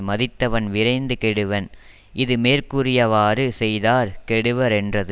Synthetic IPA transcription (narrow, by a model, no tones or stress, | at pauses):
mɐðɪt̪ːɐʋɐnʋɪɾɐɪnd̪ɯkɛɽɯʋɐn | ʔɪðɯmeːɾkɯrɪjɐʋaːrɯsɛjðaːɾkɛɽɯʋɐɾɛndrɐðɯ